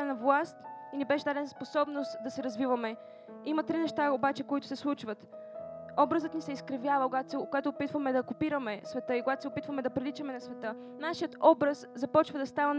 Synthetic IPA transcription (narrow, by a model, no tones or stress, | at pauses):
ɛnɐvlˠast̪inibɛʃɛd̪ad̪ɛnɐsposɔbnost̪d̪ɐsɛɾɐzvivɐmɛ | imɐt̪ɾinɛʃt̪aobat͡ʃɛkoit̪ʊ̥sɛslˠut͡ʃvət̪ | ɔbɾəzət̪nisɛiskɾɐvjavɐkoɡat̪sɛkoɡat̪ʊːpit̪vəmɛd̪ɐkʊpiɾəmɛsvɛt̪ɤikoɡat̪o̥sɛʊpit̪vəmɛd̪ɐpɾilit͡ʃɐmɛnɐsvɛt̪ɤ | naʃijət̪ɔbɾɐszɐpɔt͡ʃvɐd̪ɐst̪avɐn